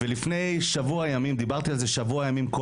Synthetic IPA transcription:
velifne̞jʃavuajamimd̪ibaʁt̪ialze̞ʃavuajamimko

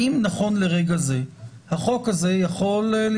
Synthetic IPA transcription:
imnaχo̞nleʁeɡaze | haχokaze̞jaχo̞ll

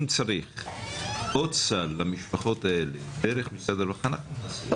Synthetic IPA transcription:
mt͡saɾiχ | ott͡salːamiʃpaχo̞t̪ae̞ledeɾeχmisad̪eɾvaχana

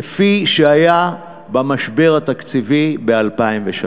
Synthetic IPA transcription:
efiʃeaja | bamaʃbe̞ʁat̪akt͡sivibealpaimveʃa

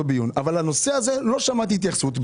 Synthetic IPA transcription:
obijunavalano̞se̞azelo̞ʃamat̪iit̪̬jaχsut̪b

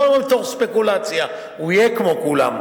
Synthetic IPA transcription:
ambet̪oχspekulat͡sja | uijekmokula̰m

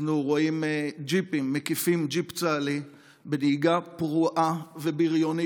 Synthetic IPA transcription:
nuʁoimed͡ʒipimːekifimd͡ʒipt͡sali | bediɡapʁuʔavebiʁjoni

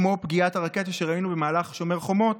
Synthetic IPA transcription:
mopɡiataʁake̞t̪aʃeʁainube̞maːlaχʃo̞me̞ʁχo̞mo̞t

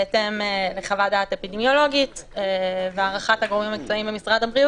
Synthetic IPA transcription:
etemeleχavadatepidemjo̞lo̞ɡiteveaʁaχathaɡʁomimamik̚t͡soimbemisʁadhabʁiu

